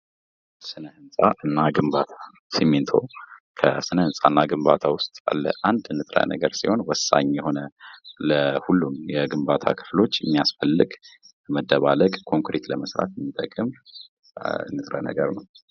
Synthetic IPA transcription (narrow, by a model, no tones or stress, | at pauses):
sɨnəhɨnsʼaʔɨnːaɡɨmbat̪ʰḁ | siment̪ʰo̰kʰəsɨnəhɨnsʼanːaɡɨmbat̪ʰawʊst̪ʼa̰lːə̰ʔand̪ɨnːɨt̪ʼɾa̰nə̰ɡəɾsiho̞nwɔsa̰ɲjɛho̞nələhulːumjɛɡɨmbat̪ʰa̰kʰɨ̥flo̞t͡ʃːjɛmːijasfəlːɨɡ | ləməd̪ːəβaləkʼkʰo̞ŋkɾet̪ləməsɾa̰t̪jɛmːit̪ʼəkʼɨm | ɨ̰nːɨt̪ʼɾa̰nə̰ɡəɾnəw